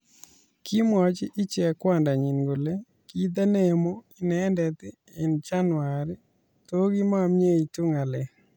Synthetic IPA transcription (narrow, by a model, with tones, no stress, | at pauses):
kʰi˦mɔ˨t͡ʃɪ˦ʔɪ˦t͡ʃɛ˨kwa˦˨nda˨ɲi˨nɡo˨le˦ | ki˦d̪a˦nɛ˦mo˦ɪ˦nɛ˨ndɛ˨t̪ɪ˦ | ɛ˨nt͡ʃa˦nwaɾɪ | to˦ɡi˦ma˦mɲe˦i˨tʊ˦ŋa˨lɛ˨